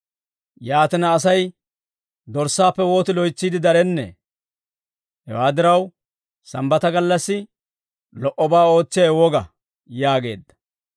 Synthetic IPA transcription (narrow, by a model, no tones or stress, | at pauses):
jaːt̪ɪnɐːs̬ɐj | d̪ɔɾsaːpːɛwo̞ːt̪ɪlɔjt͡sːiːd̪ɪd̪ɐɾɛnːɛ̰ | hɛ̰waːd̪ɪɾɐw | sɐmbɐt̪ɐɡɐlːɐsːɪ | lɔʔɔbaːo̞ːt͡sːɪjɐwɔɡɐ | jaːɡe̞ːd̪ːɐ̥